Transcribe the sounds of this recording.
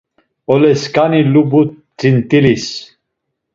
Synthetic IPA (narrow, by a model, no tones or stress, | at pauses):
ɔlɛskʼanilubu | t͡sint̪ʼilis